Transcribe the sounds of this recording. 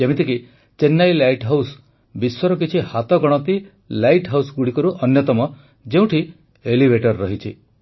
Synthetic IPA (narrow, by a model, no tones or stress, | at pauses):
emit̪ʰiki | t͡ʃenːajlajʈɦaws | biswɔɾɔk̬it͡ʃʰihat̪ɔɡɔɽ̃ɔt̪i | lajʈɦawsɡuɽikɔɾuʔɔnjɔt̪ɔmɔ | d͡ʒeũʈʰi | elibʱeʈɔɾːɔɦit͡ʃʰi